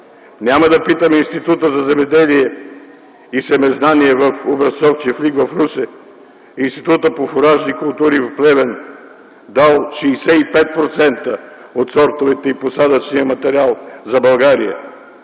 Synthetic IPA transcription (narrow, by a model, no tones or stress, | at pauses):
nʲaməd̪ɐpit̪əmɛinst̪it̪ut̪əzɐzɛmɛd̪ɛliɛ | isɛmɛznaniɛvɐfobɾɐsɔft͡ʃifliɡvɐfɾusɛ | inst̪it̪ut̪əpofoɾaʒnikʊlˠt̪uɾivɐplɛvɛn | d̪alˠʃiːsɛipɛt̪̚pɾot̪sɛnt̪əot̪sɔɾt̪ovɛt̪ɛiposad̪ət͡ʃnijəmɐt̪ɛɾialˠzɐbɐlˠɡaɾḭə̰